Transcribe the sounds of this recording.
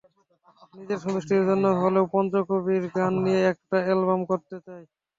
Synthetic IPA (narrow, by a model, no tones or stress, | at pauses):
nid͡ʑeɾʃɔd̪oʃʈiɾd͡ʑonːoɦolewpɔnd̪ɾokobiɾɡanːijeɛk̚ʈaelbamkoɾt̪et͡ɕae